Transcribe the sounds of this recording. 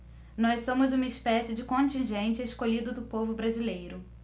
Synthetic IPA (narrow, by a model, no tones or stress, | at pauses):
nɔssõmʊzũmɐɪspɛsɪd͡ʒɪkõt͡ʃĩʒẽnt͡ʃɪeskoʎid̪ʊd̪ʊpovʊbɾazilejɾʊ